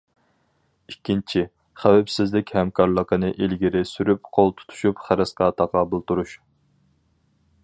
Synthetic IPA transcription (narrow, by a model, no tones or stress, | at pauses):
ikʲːint͡ʃʰi | χæwɛpsɪzlɪkʲhɛmkʰɑɾlˠəqənɨʔilɡʲiɾɪsyɾyp̚qʰolˠt̪ʰu̥t̪ʰu̥ʃupχæɾɨsqɑːt̪ʰɑqɑbɨlˠt̪uɾuʃ